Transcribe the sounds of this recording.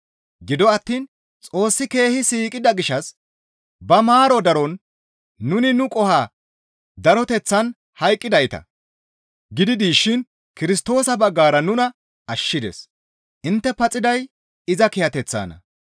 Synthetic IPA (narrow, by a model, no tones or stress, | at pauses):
ɡɪd̪ɔɐt̪ːiːn | t͡sʼo̞ːsːɪke̞ːhɪsiːkʼɪd̪ɐɡɪʃɐs | bɐmaːɾɔd̪ɐɾɔnː | ʊnɪnʊkʼɔhaː | d̪ɐɾɔt̪ɛt͡sːɐn | hɐjkʼːɪd̪ɐjt̪ɐ̰ | ɡɪd̪ɪd̪iːʃːɪn | kɪɾɪst̪o̞ːsɐbɐɡːaːɾɐnʊnɐ | ɐʃːɪd̪ḛs | ʔɪnt̪ːɛpɐt͡sʼːɪd̪ɐj | ɪzɐkɪjɐt̪ɛt͡sːa̰ːnɐ̰